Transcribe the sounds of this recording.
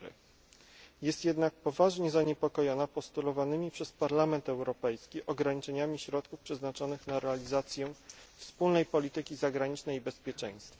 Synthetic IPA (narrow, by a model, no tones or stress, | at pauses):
ɘ̰ | jɛst̪jɛd̪nak̚pɔvaʐɲɛzaɲɛpɔkɔjɔnapɔst̪ulɔvanɘmʲipʂɛspaɾlamɛnt̪ɛwɾɔpɛjskʲiʔɔɡɾaɲit͡ʂɛɲamʲiɕɾɔt̪kufpʂɛznat͡ʂɔnɘxnaɾɛalʲizat̪sʲjɛfspulnɛjpɔlʲit̪ɘkʲizaɡɾaɲit͡ʂnɛjibɛspʲjɛt͡ʂɛ̰j̃st̪fa